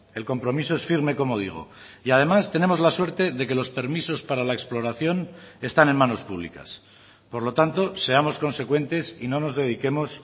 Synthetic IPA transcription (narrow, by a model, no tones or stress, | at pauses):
e̞lko̞mpɾo̞miso̞e̞sfiɾme̞ko̞mo̞ð̞ḭɣ̞o̞̰ | iað̞e̞mast̪e̞ne̞mo̞zlaswe̞ɾt̪e̞ðe̞ke̞lo̞spe̞ɾmiso̞spaɾalaeksplo̞ɾaθjo̞ne̞st̪ane̞nmano̞spuβ̞lḭka̰s | po̞ɾlo̞t̪ant̪o̞se̞amo̞sko̞nse̞kwe̞nt̪e̞sino̞no̞zðe̞ð̞ike̞mo̞s